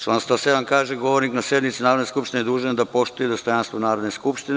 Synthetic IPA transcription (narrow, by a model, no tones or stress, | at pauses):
t͡ʃlanst̪aseʋankaːʒeɡo̞ʋoɾniknasjed̪mit̪sinaːɾod̪neskupʃt̪inejed̪uːʒend̪apo̞ʃt̪ujed̪ost̪o̞janst̪vonaːɾo̞d̪neskupʃt̪in